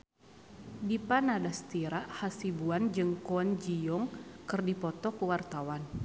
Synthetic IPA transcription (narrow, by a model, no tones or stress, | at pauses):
dipanadast̪iɾaʔhasibuand͡ʒɨŋkɔand͡ʒijɔŋkɨrdipɔt̪ɔkəwart̪awan